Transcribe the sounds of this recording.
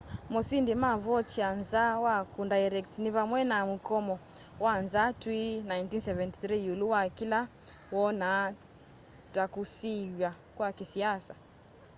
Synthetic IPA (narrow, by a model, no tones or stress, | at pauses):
mɔsindimavɔt͡ʃianzawakundaɛɾɛktniβamwɛnamukɔmɔwanzatwinajntinsɛvɛnti̥θɾijuluwakila | wɔna | takusijwa | kwakisiasa